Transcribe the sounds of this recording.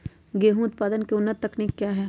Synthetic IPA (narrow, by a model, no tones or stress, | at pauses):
ɡeːɦũʊt̪̚paːd̪ənkeʊnːət̪ːɐkniːkːjaːɦɛː